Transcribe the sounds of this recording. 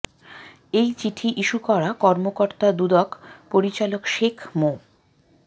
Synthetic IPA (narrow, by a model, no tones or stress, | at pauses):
ejt͡ɕiʈʰiʔiʃukɔɾakɔɾmokoɾt̪ad̪ud̪ɔkpoɾit͡ɕalokʃekʰmo